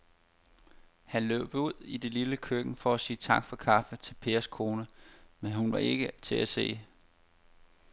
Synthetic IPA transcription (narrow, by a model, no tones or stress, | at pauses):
hænlø̰ːb̥uð̰ˠide̝liləkʰøɡ̥ŋ̩fɒ̽æsiːt͡sʰɑ̈ɡ̥fɒ̽kʰɑ̈fət͡sʰe̝lpʰe̝ːɐskʰo̝ːnəmenɦunʋɑ̈e̝ɡ̥ət͡sʰe̝æse̝̰ː